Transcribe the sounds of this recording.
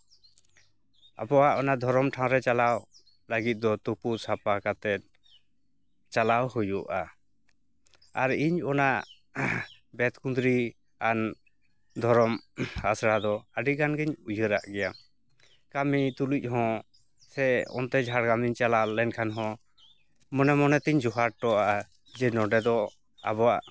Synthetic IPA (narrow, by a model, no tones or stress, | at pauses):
a̰pɔwaʔɔnad̪ʱɔɾɔmʈʰãw̃ɾɛt͡ʃalaw | laɡit̪̚d̪ɔt̪upusapakat̪ɛt̪̚ | t͡ʃalawhujuʔa | aɾiɲɔnaʔ | bɛt̪kund̪ɾi | an | d̪ʱɔɾɔmasɾad̪ɔaɖiɡanɡɛɲud͡ʒʱəɾa̰ʔɡɛja | kamit̪uluc̚ˀɦɔ̃ | sɛɔ̰nt̪ɛd͡ʒʱaɽɡamiɲt͡ʃalalɛnkʰanɦɔ̃ | mɔnɛmɔnɛt̪iɲd͡ʒɔɦaɽ̚ʈɔaʔa | d͡ʒɛnɔɖɛd̪ɔ | a̰bɔwaʔ